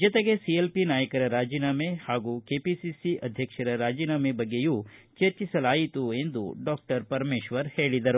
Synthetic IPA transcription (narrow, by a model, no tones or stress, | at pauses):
d͡ʒɐt̪eɡesielpinaːjɐkɐɾɐɾaːd͡ʒinaːmehaːɡukeːpisisiʔɐd̪ʱjɐkʂɐɾɐɾaːd͡ʒinaːmebɐɡːejut͡ʃɐɾt͡ʃisɐlaːjit̪ue̞nd̪ṵɖɔːk̚ʈɐɾpɐɾmeːʃʋɐɾheːɭid̪ɐɾu